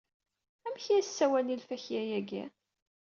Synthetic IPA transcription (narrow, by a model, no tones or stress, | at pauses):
æmçæsːæwænilfæçjæjæɡæ̰